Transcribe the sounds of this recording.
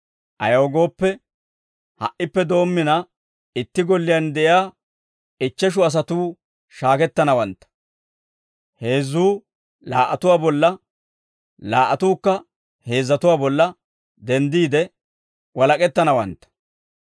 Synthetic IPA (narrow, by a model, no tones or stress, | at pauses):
ʔɐ̰joːɡo̞ːpːɛ | hɐ̰ʔːɪpːɛd̪o̞ːmːɪnɐ | ɪt̪ːɪɡɔlːɪjand̪ɛʔɪjaː | ɪt͡ʃːɛʃ̬ʊɐs̬ɐt̪uː | ʃaːkɛt̪ːɐnɐwɐnt̪ːɐ̥ | he̞ːzːuː | laːʔɐt̪ʊwaːbɔlːɐ | laːʔɐt̪uːkːɐ | he̞ːzːɐt̪ʊwaːbɔlːɐ | d̪ɛnd̪iːd̪ɛ | wɐlɐkʼɛt̪ːɐnɐwɐnt̪ːɐ̥